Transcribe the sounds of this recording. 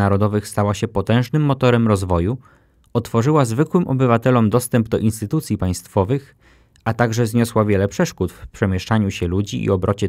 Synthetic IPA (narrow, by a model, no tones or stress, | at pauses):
aɾɔd̪ɔvɘxst̪awaɕɛpɔt̪ɛ̃w̃ʐnɘmːɔt̪ɔɾɛmɾɔzvɔju | ɔt̪fɔʐɘwazvɘkwɘmʔɔbɘvat̪ɛlɔmd̪ɔst̪ɛmbd̪ɔʔinst̪ɘt̪ut̪sʲjipaj̃st̪fɔvɘx | at̪aɡʐɛzɲɔswavʲjɛlɛpʂɛʂkut̪fpʂɛmʲjɛʂt͡ʂaɲuɕɛlud͡ʑiʔḭɔbɾʔɔt͡ɕɛ